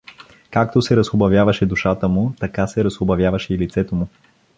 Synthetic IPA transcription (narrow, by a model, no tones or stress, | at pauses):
kak̚t̪osɛɾɐsxobɐvjavɐʃɛd̪uʃat̪əmut̪ɐkasɛɾɐsxobɐvʲjavɐʃɛilit̪sɛt̪omʊ